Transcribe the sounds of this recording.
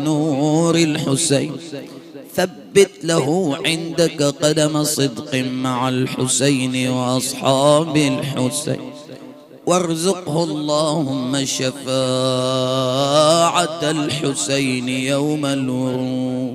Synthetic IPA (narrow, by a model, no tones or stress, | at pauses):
nuɾalħʊsajn | θabːɪt̪lahuʕɪnd̪akqɑd̪amasˤɨd̪qmaʕalħʊsajnwʔɑsˤħɑːbalħʊsa̰nn | wɑɾˤzʊqhʊɑlˤːɑːhʊmːaʃafaː | ʕat̪alħʊsajnjawmalwʊɾu